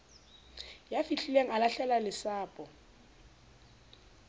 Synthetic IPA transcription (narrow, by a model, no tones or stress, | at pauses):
jafiɬileŋ̩alaɬɛlalɪsaːpʼɔ